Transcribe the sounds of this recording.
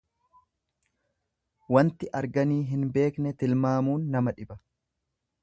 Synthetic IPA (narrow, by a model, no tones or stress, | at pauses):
wɐnt̪ɪʔɐɾɡɐniːɦɪnbe̞ːknɛt̪ɪlmaːmuːnːɐmɐᶑɪbɐ